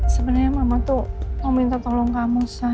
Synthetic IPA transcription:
səbənərɲamamat̪umomint̪at̪olɔŋkamusa

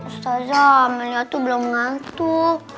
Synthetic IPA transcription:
ust̪azaməlat̪ubəluməŋant̪u

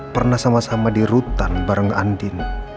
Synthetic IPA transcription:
pərnahsamasamadiɾut̪anbaɾəŋa̰ndin

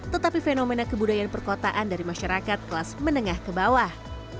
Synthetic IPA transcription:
t̪ət̪apifenomenakəbudajanpərkot̪aʔandaɾimaʃaɾakat̪̚kəlasmənəŋahkəbawah

